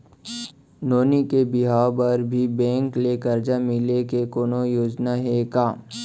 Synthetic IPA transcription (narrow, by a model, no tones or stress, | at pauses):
noːnikebɪɦaːbɐɾbʱibɛ̃ːŋklekɐɾd͡ʒamɪlekekoːnojoːd͡ʒnaɦekaː